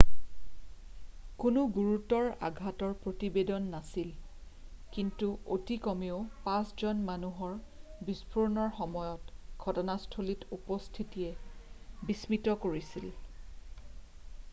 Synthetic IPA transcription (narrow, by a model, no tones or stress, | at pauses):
kunʊɡuɹutɔɹa̰ɡʱatɔɹpɹotibedɔnːasil | kintuotikɔmeʊpãszɔnmanuɦɔɹbispuɹnɔɹxɔmɔjɔtɡ̥ʱɔtɔnastʰolitupɔstʰitijɛ | bismitɔkoɹisil